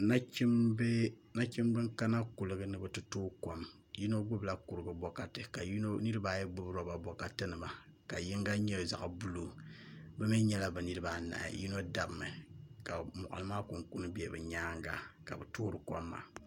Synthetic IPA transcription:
na˦t͡ʃi˦mb | na˦t͡ʃi˦mbɨ˦ŋka˦na˦ku˨lɨ˨ɡɨ˦nɨ˦bɨ˨tɨ˦tuː˦ko˦m | ji˦no˦ɡ͡bʊ˦bla˦ku˨ɾɨ˨bɨ˨bɔ˦ka˦tɨ˨ka˨jo˦nɨ˦ɾɨ˦ba˦˨jɛ˦ɡ͡bʊ˦bɾo˦ba˨bɔ˨˦ka˦tɨ˦nɨ˨ma˨ka˨ji˦ŋɡa˦ɲɛ˦˨za̰˨ʔa˨bu˦lo˨bɛ˦mɛ˦ɲɛ˦la˨bɨ˨nɨ˦ɾɨ˦ba˨na̰˨ji˦no˦da˨bmɨ˨ka˨mɔ̰˨ʔʊ̰˨lɨ˦maː˦ku˨ŋku˦nɨ˦bi˦ɛ˨bɨ̰˨ɲaː˦ŋɡa˦ka˨bɨ˨tuː˦ɾɨ˨ko˦mːa̰˨

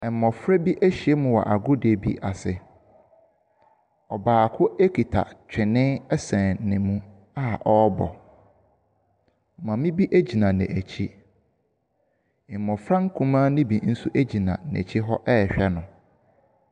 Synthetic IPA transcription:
ɛ˨m˨mɔ̃˨fɾɛ˦bi˦ʔæ˦ɕi˨e˦mʊ̃˨wɔ̰˨ʔa˨ɡʊ˦dbḭ˦ʔa˨sɪ˨ | ɔ˨baː˨kʰʊ˦e˦kʰi˨tʰa̰˨t͡ɕᶣʰɪ̃˨nɪ̃˦ɛ˦sɛ̃˨nɪ̃˨mũ˦ | a˦˨ʔɔ˦bɔ̰˨ | mã˨mĩ˦bi˦ʔæ˦d͡ʑi˨nã˨nɛ̰̃˨ʔæ˨t͡ɕʰi˦˨ | m̩˨mɔ̃˨fɾã˦ŋ̩˦kʰũ˦mãː˦nĩ˦bi˨n̩˦su˦ʔæ˦d͡ʑi˨nã̰˨næ̰˨t͡ɕʰi˦ɦɔ˦ʔɛ˦˨ɕᶣɛ˦nʊ̃˨

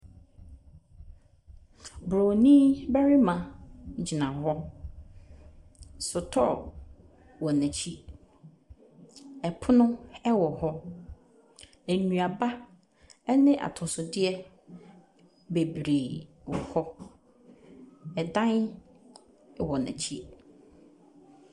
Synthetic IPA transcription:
bɾo˨nĩ˦bæ˦ɾi˦mã˨˦d͡ʑi˨nã˨hɔ˦ | sʊ˨tʰɔ̰˦ | wɔ˨nɛ̃˨t͡ɕʰi˦ | ɛ˨pʰʊ˦nʊ̃˦ɛ˦wɔ˨hɔ˦ | æ˨nũ˨a˨ba˦ | ɛ˦nɪ̃˦ʔa̰˨tʰʊ˨sʊ˨dɪ˦ɛ˦ | be˨bɾe˨wɔ˨hɔ˦ | ɛ˨dã˦n˨ | wɔ˨nɛ̰̃˨t͡ɕʰi˦

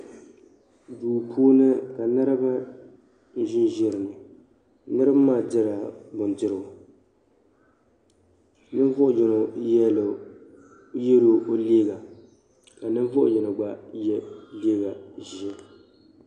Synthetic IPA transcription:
duː˨pʰuː˦nɨ˦ka˨nɨ˦ɾɨ˦ba˦ | n˦ʒɪ˦n˦ʒɛ˦ɾɨ˨nɨ˨ | nɨ˦ɾɨ˦bmːaː˦˨dɪ˦ɾa˨bʊ˨ndɪ˦ɾɨ˨ʊ˨ | nɨ˦n˦vɔ˦ʔʊ˨jɛ˨no˨jɛ˦lo˨ | je˦ɾo˦o˦leː˦ɡa˨ | ka˨nɨ˦vɔ˦ʔʊ̰˨jɛ˨no˨ɡ͡ba˨jɛ˦leː˦ɡa˨ʒi˨ɛ˦

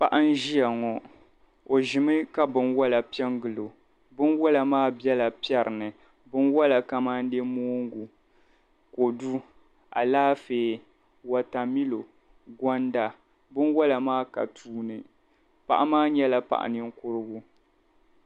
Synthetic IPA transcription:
pa˦ʔa˦n˦ʒi˦a˨ŋɔ˨ | o˨ʒɪ˨mɨ˦ka˦bɨ˦nwɔ˦la˨pi˦ɛ˦ŋɡɨ˨lo˨ | bɨ˦nwɔ˦la˨maː˦bɛ˦la˨pɛ˦ɾɨ˨nɨ˨ | bɨ˦nwɔ˦la˨ka˦ma˦n̩˦de˦moː˦ŋɡu˨ | ko˨du˦ | a̰˨laː˦feː˨ | wa˨ta˨mi˦lo˨ | ɡɔ˦nda˨ | bɨ˦nwɔ˦la˨maː˦ka̰˨tʰuː˦nɨ˨ | pa̰˨ʔa˦maː˦ɲɛ˦la˨pa̰˦ʔa̰˨nɨ˨ŋ̩˦kʊ˦ɾɨ˦ɡʊ˦

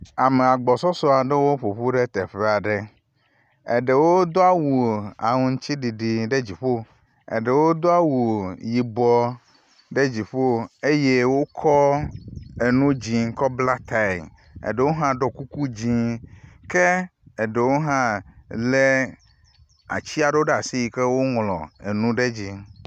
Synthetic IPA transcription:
a˨me˨a˨ɡ͡bɔ˨sɔ˦sɔ˦a˨ɖe˦wo˦ɸo˨ɸu˦ɖe˦t̪ɛ˨ɸe˦a˨ɖe˨ | ḛ˨ɖe˨wo˦d̪o˦a˦wu˨a̰˨ŋũ˦ŋ̩˦t͡ɕi˦ɖi˨ɖi˨ɖe˦d͡ʑi˨ɸo˦ | ḛ˨ɖe˨wo˦d̪o˦a˦wu˨ji˨bɔ˦ | ɖe˦d͡ʑi˨ɸo˦e˦je˦wo˦kʰɔ˦ | e˨nũ˦d͡ʑi˨ŋ˦kɔ˦bla˦t̪a˦˨i˨m | ḛ˨ɖe˨wo˦ɦã˦ɖɔ˨ku˦ku˦d͡ʑĩ˦ke˦e˨ɖe˨wo˦ɦã˦le˦ | a̰˨t͡ɕi˦a˨ɖe˦wo˦ɖe˦˨a˨si˦ji˨ke˦wo˦ŋlɔ̰̃˨e˨nũ˦ɖe˦d͡ʑi˦

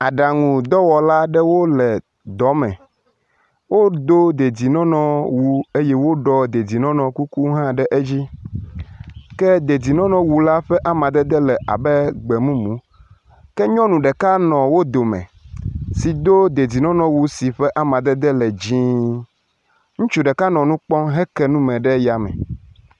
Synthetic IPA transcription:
a˨ɖa˨ŋũ˨d̪ɔ˦wɔ˨la˦ɖɛ˦wo˦lɛ˨ | d̪ɔ˨˦mɛ̰̃˨ | wo˦d̪o˦d̪e˨d͡ʑi˨nɔ̃˦nɔ̃˨wu˨e˦jɛ˦wo˦ɖɔ˦d̪e˨di˨nɔ̃˦nɔ̃˨ku˦ku˦ɦã˦ɖɛ˦ʔe˦d͡ʑi˦ | kɛ˦d̪e˨di˨nɔ̃˦nɔ̃˨wu˨la˦ɸɛ˦ʔa˦mã˨d̪ɛ˦d̪ɛ˦lɛ˨ʔa̰˨bɛ˦ɡ͡bɛ˨mũ˦mũ˦ | kɛ˦ɲɔ̃˦nũ˨ɖɛ˨ka˦nɔ̃˨wo˦d̪o˨mɛ̰̃˨si˨d̪o˦d̪e˨di˨nɔ̃˦nɔ̃˨wu˨si˨ɸɛ˦ʔa˦mã˨d̪ɛ˦d̪ɛ˦lɛ˨d͡ʑĩ˦ | ŋũ˦t͡ʃu˨ɖɛ˨ka˦nɔ̃˨nũ˦k͡pɔ̃˦ɦɛ˦kɛ˦nũ˦mɛ̃˨ɖɛ˦ja˨mɛ̰˨

